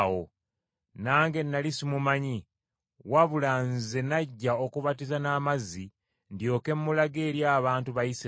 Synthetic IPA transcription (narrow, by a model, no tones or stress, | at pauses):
wo | naːŋɡe̞nːalisimumaɲi | waβulaːnze̞naɟːaokuβatizanaːmazːi | ndjo̞ːke̞mːulaɡe̞ːɾjaːβaːntuβajis